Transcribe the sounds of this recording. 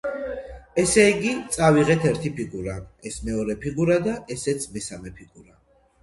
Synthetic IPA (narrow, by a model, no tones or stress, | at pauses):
ɛsɛiɡit̪sʼaviʁɛt̪ʰɛɾt̪ʰipʰiɡuɾaɛsmɛɔɾɛpʰiɡuɾad̪aʔɛsɛt̪sʰmɛsamɛpʰiɡuɾa